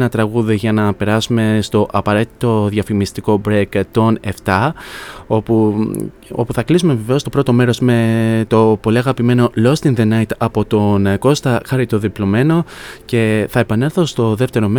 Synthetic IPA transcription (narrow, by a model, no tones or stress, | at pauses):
nɐt̪ɾɐɣuðiʝɐnɐpe̞ɾɐsume̞st̪o̞ʔɐpɐɾe̞t̪i̥t̪o̞ðʝɐfimist̪iko̞bɾekt̪o̞ne̞ft̪ɐ | ou | o̞̰puθɐklisume̞veve̞ost̪o̞pɾo̞t̪o̞me̞ɾo̞sme̞t̪o̞po̞liɐɣɐpime̞no̞lo̞st̪inðenɐjt̪ɐpo̞t̪o̞nko̞st̪ɐxɐɾit̪o̞ðiplo̞me̞no̞ce̞θɐe̞pɐne̞lθost̪o̞ðe̞ft̪e̞ɾo̞me